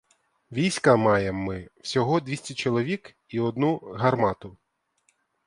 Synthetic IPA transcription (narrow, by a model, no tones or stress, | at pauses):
ʋʲijsʲkɐmɑjemːɪw̥sʲɔɦɔd̪ʲʋʲisʲtʲɛt͡ʃɔlˠɔʋʲik | iɔd̪nuɦɐrmɑt̪ʊ